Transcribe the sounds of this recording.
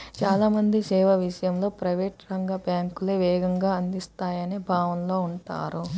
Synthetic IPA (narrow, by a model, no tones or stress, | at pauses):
t͡ʃaːlaːmɐnd̪isɛːʋɐʋiʂɐjɐmlo̞ːpɾɐjʋeːʈɾɐŋɡɐbjaːŋkuleːʋɛːɡɐŋɡaːɐnd̪ist̪aːjɐneːbʱaːʋɐnlo̞ːuɳʈa̰ːɾu